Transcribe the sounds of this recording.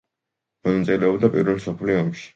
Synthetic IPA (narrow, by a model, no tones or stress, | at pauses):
mɔnat̪sʼilɛɔbd̪apʼḭɾvɛlˠmsɔpʰliɔmʃi̥